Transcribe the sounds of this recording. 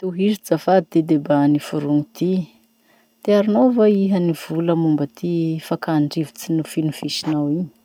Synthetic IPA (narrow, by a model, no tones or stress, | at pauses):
t̪uɦiɾid͡zafad̪id̪ed̪ebanifuɾuŋit̪i | t̪eaɾinowvaiɦəniv̥uləmumbət̪ʰifakaɳɖ͡ʐivi̥t͡sinufinufiʃinawiɲi̥